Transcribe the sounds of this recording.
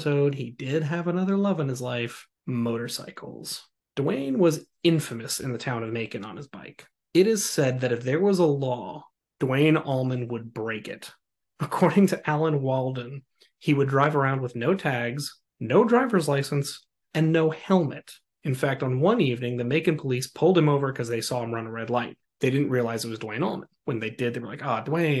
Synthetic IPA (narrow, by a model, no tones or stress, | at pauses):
soʊd̚idɪd̚ɨvənʌðə˞lʌvə̃nɨzlaɪf | moʊɾə˞sa̰ɪkʰl̩ˠz̥ | d̥wẽɪ̃nwʌz | ɪ̃ɱfɨmɨsɨ̰̃nðɨtʰãʊ̃nʌvmeɪkɪ̃ŋə̰̃nɨzbaɪk | ɨɾɪz̥sɛd̪̚ðɨɾɨfðə˞wʌzəlɔ | d̥wẽɪ̃nɔlˠmɨ̃nwəd̚bɹeɪkɪ̰t | əkʰɔɹɾɪ̃ŋtʰɨʔælˠə̃nwɔlˠd̃n̩ | iwɨdɹaɪvə˞ãʊ̃nd̚wəðnoʊtʰæɡz̥ | noʊdɹaɪvə˞zlaɪsɨ̃n̩s | ɨ̃nːoʊhɛlˠmɨɾ | ɨ̃nfæk̚tn̩wʌ̃nivnɪ̃ŋðɨmeɪkɨ̃npʰəlispʰʊlˠd̚ɨ̃moʊvə˞kʰʌzðeɪsɔɨ̃mɹʌ̃nəɹɛdˡlaɪt̚ðeɪɾɪdⁿn̩ʔɹiəlaɪzɨt̚wʌzdwẽɪ̃nɔ̰lˠmə̰̃nwə̃nðeɪdɪd̪ðeə˞laɪkɑdwẽɪ̃n